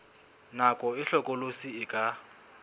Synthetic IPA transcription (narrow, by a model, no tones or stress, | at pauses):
nakʼɔɪɬɔkʼɔlosiɪkʼa